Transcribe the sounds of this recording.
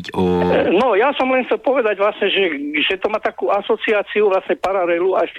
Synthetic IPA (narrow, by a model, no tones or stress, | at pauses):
ɔnɔjasɔmlɛnxt͡sɛlpɔʋɛd̪aɟʋlasɲɛʒɛʒɛt̪ɔmaːt̪akuːasɔt͡siaːt͡siuʋlasɲɛpaɾalɛluaʃ